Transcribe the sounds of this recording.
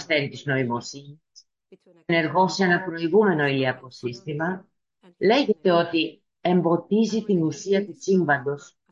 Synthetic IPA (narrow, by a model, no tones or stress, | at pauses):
sθe̞ɾit̪izno̞imo̞siɲis | ne̞ɾɣo̞senɐpɾo̞iɣume̞no̞iliɐko̞sist̪imɐ | le̞ʝe̞t̪e̞o̞t̪i | e̞mbo̞t̪izit̪inusiɐt̪usiɱvɐnd̪o̞s